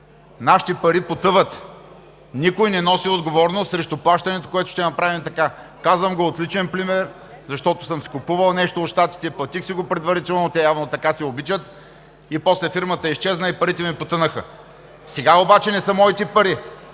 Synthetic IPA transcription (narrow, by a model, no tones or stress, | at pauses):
naʃi̥t̪ɛpɐɾipot̪ɤvət̪ | nikojnɛnɔsiod̪ɡovɔɾnost̪sɾɛʃt̪ʊplˠaʃt̪ɐnɛt̪o̥koɛt̪ʊ̥ʃt̪ɛnɐpɾavimt̪ɐka | kazvəmɡoːt̪lit͡ʃɛnpɾimɛɾ | zɐʃt̪ɔt̪ʊ̥səmskʊpuvɐlˠnɛʃt̪oːt̪ʃt̪at̪i̥t̪ɛiplˠɐt̪ixsiɡopɾɛd̪vɐɾit̪ɛlˠnot̪ɛjavnot̪ɐkasɛobit͡ʃət̪ | ipɔslɛfiɾmət̪əɛist͡ʃɛznəipɐɾit̪ɛmipot̪ɤnəxə | sɛɡaobat͡ʃɛnɛsəmɔit̪ɛpɐɾi